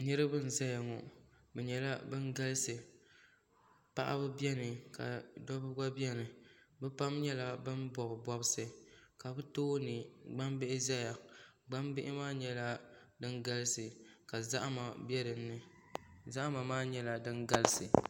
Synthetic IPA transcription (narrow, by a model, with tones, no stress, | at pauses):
nɨ˦ɾɨ˦bɨ˦n̩˨za˦ja˨ŋɔ̰˨ | bɛ˨ɲɛ˨la˦bɨ˦nɡa˦lɨ˦sɨ˨ | pa̰˦ʔa̰˦bɨ˦bɛ˦nɨ˨ka̰˨dɔ˦bɨ˦ɡa˦bɛ˦nɨ˨bɛ˦pa˦mɲɛ˦la˦bɨ˦nbɔ˨bɨ˨bɔ˦bɨ˦sɨ˨ka˨bɨ˦toː˦nɨ˨ɡ͡ba˦mbɪ˦ʔɪ˦za˦ja˨ɡ͡ba˦mbɪ˦ʔɪ˦maː˦ɲɛ˦la˦ | dɨ˦ŋɡa˦lɨ˦sɨ˨ka˨za˦ʔma˨bɛ˦ɾɨ˨nː˦ɨ˨ | za˦ʔma˨maː˦ɲɛ˦la˨dɨ˦nɡa˦lɨ˦sɨ˨